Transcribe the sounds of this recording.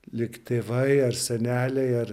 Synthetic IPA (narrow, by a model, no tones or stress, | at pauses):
lʲɪkt̪ʲeːʋɐɪɐrsʲɛnʲæːlʲɛɪɐr